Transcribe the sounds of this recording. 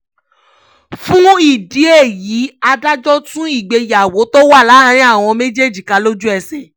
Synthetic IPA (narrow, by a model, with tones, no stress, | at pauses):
fũ˦i˦˨di˨˦e˦˨ji˨˦a˧da˦d͡ʒɔ˦tũ˦i˦˨ɡ͡be˧ja˨wo˨˦to˦wa˦˨la˨˦hã˧˦ɾ̃ĩ˦a˦˨w̃ɔ̃˧me˦d͡ʒe˦˨d͡ʒi˨ka˧lo˦d͡ʒu˦ɛ˧sɛ˨